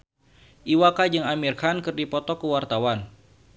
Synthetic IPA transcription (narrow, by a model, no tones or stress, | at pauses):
ʔiwakad͡ʒɨŋamirkʰankɨrdipɔt̪ɔkəwart̪awan